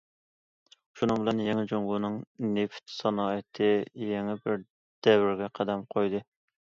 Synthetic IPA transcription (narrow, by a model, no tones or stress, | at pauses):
ʃunɨŋbɪlɛnjeŋɪd͡ʒoŋɡunɨŋneft̪sɑnɑːjɪt̪ʰɪjɛŋɪbɪɾ | d̪̥ɛwɪɾɡʲɛqʰæd̪ɛmqʰojd̪ɨ